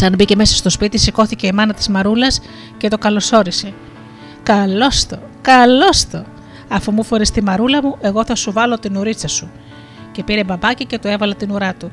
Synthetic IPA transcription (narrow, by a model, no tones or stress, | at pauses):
sɐnbice̞me̞sɐst̪o̞spit̪isiko̞θice̞imɐnɐt̪i̥zmɐɾulɐs | ce̞t̪o̞kɐlo̞so̞ɾise̞ | kɐlo̞st̪okɐlo̞st̪o̞ | ɐfumufoɾist̪imɐɾulɐmuʔe̞ɣo̞θɐsuvɐlo̞t̪inuɾit͡sɐsu | ce̞piɾe̞bɐbɐcice̞t̪oe̞vɐlɐt̪inuɾɐt̪u